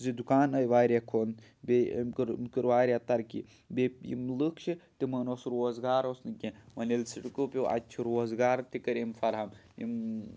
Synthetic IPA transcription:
zid̪ukaːnɐjʋaːɾʲekʰoːn | bḛmkɨɾmkɨɾʋaːɾʲat̪ɐɾkḭ | bepjḭmlɨkt͡ʃʰit̪imɐnosɾoːzɡaːɾosnɨkʲemɐnilsiʈɨkɨpʲiʔa̰t͡ʃʰiɾoːzɡaːɾt̪ikɐɾimfɐɾɦamjḭm

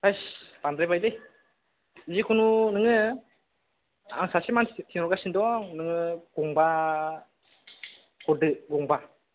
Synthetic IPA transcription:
pajsbandɾebajdɯj | zikʰununɯŋɯ | a̰ŋsasimantʰinɔɾɡasindɔŋnɯŋɯɡ̥ɔŋba | ɡɔdɯɡɔŋba

